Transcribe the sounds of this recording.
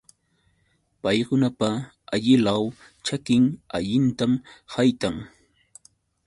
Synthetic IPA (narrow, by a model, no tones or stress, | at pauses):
pajkʊnapa | aʎɪlaw | t͡ʃakɪŋaʎɪnt̪amhajt̪aŋ